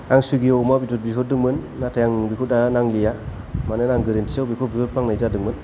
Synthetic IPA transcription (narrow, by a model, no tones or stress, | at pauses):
aŋsuɡiɔwmabitɔt̚bikʰɔdɯŋmɯnːatʰajaŋbikʰudanaŋlija | manɯnaŋɡɯɾentʰiawbikʰubitɔt̚pʰaŋnajzadɯŋmɯn